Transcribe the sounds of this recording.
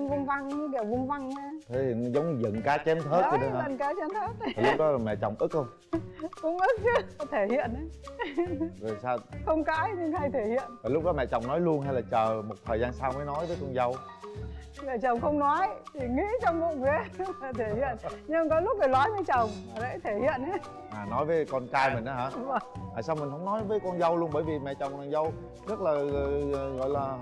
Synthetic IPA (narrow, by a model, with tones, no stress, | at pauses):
nvʊ˧nva˧ŋɲɨ˧˦ɗɛ˨˩wvʊ˧nva˧ŋɲaː˧t̪ʰe˨˦i˨˩˨zə˨˦wŋ͡mɲɨ˧zə̰˧˨nkaː˨˦t͡ɕɛ˨˦mt̪ʰəː˦˥t̚ə˧ɗə˨˦˧ə̰˧˨nkaː˨˦t͡ɕɛ˧˦mt̪ʰəː˦˥t̚a˨˩lʊ˦˥k̚ɗɔ˨˦laː˨˩mɛ̰˧˨t͡ɕɔ˨˩wŋ͡mʔɨ˦˥k̚xə˧wŋ͡m | kʊ˧˥ŋ͡mʔɨ˦˥k̚t͡ɕɨ˨˧˦t̪ʰe˧˩hḭ˧˨ən˨˦ | zo˨˩jsaː˧xə˧wŋ͡mkaː˧˦jɲɨ˧ŋha˧jt̪ʰe˧˩hḭ˧˨ənvaː˨˩jlʊ˦˥k͡p̚ɗɔ˨˦mɛ̰˧˨t͡ɕa̰˨˩wŋ͡mnɔ˨˦jlu˧ənɦa˧jlaː˨˩t͡ɕəː˨˩mo˨˩t̚t̪ʰəː˨˩jzaː˧nsaː˧wməː˨˦jnɔ˨˦jvəː˨˦jkə˧ŋ͡mza˧w | mɛ̰˧˨t͡ɕə˨˩wŋ͡mxə˧wŋ͡mnɔ˨˦jt̪ʰi˨˩ŋḭ˧˥t͡ɕɔ˧wŋ͡mvṵ˧˨ŋ͡mve˨˦la˨˩t̪ʰe˧˩hḭ˧˨ən˧ɲɨ˧kɔ˨˦lʊ˦˥k͡p̚ɗə˨˩lɔ˨˦jvəː˨˦jt͡ɕə˨˩wŋ͡ma˨˩zə̰˧˥jt̪ʰe˧˩hḭ˧˨əna˨˦ | ʔaː˨˩nɔ˨˦jvəː˨˦kɔ˧nt͡ɕaː˧jmï˨˩ŋ̟a˨˦ɦaː˨˧˥və˧˨˩ŋva̰ː˨˩saː˧wmï˨˩ŋ̟hə̰˧˥wŋ͡mnɔ˨˦jvəː˨˦jkɔ˧nzə˧wlu˧ənɓəː˧˩jvi˨˩mɛ̰˧˨t͡ɕə˨˩wŋ͡maː˨˩ŋzə˧w | zə˦˥t̚laː˨˩˨ɣɔ̰˧˨jlaː˨˩